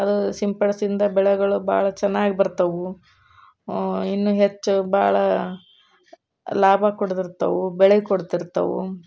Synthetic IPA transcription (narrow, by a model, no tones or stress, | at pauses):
ɐd̪usimpɐɽɐsind̪ɐbɛɭɛɡɐɭuba̰ːɭɐt͡ʃɛnːaːɡibɐɾt̪ɐʋu | inːuɦet͡ʃːubaːɭɐ | laːbʱɐkoɽt̪iɾt̪ːɐʋubɛɭɛɡkoɽt̪iɾt̪ɐ̰ʋṵ